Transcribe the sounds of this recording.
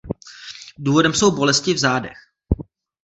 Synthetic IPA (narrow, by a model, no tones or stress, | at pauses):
duːvo̞dɛmso̞wbo̞lɛscɪvzaːdɛ̰x